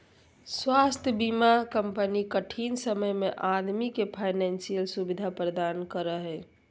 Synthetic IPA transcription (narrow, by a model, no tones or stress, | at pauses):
swast̪ʰjəbimakəmpənikəʈʰinsəməjmeʔad̪mikepʰaɪnɛnsijəlsubid̪ʱapɾəd̪ankəɾəɦɛ